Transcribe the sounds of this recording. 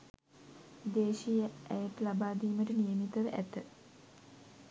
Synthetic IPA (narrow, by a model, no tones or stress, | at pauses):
d̪eːʃijəʔæjət̪labaːd̪iːməʈənijəmit̪əʋəʔæt̪ə